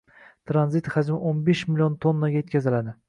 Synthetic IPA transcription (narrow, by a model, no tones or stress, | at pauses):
t̪ʰɾanzit̪had͡ʒmɪʔonbeʃmɪlijont̪ʰonːaɡʲajet̪̚kʲʰazɪlad̪ɪ